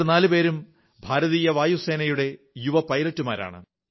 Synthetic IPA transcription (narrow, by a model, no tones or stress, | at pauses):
naːlɨpe̞ːɾum | bʱaːɾɐðiːjɐʋaːjuse̞ːnɐjuɽe̞ | juʋɐpɐjlɐtːumaːɾa̰ːɳɨ̰